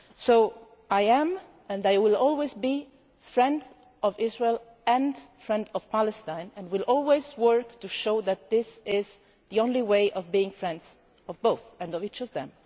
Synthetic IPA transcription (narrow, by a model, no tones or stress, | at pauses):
soʊ | aɪæ̃m | ɛ̃ndaɪwɪlɔlˠwezbi | fɹɛ̃nd | ɔvɪzɹeɪlˠ | ɛ̃ndfɹɛ̃ndɔv̥pæləstãɪ̃nɨ̃nwɪlʔɔlˠwezwɜ˞ktuʃoʊðæt̪̚ðɪsɪz | ðiõʊ̃nliweɪʔɔvbiɪ̃ŋfɹɛ̃ndz̥ | ɔvboʊθɨ̃nʌvit͡ʃʌvðɛ̰̃m